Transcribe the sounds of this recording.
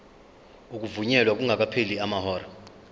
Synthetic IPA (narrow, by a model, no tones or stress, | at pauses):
uk̬ʼuvuɲɛlwak̬ʼuŋʱak̬ʼapʰeliamahɔːra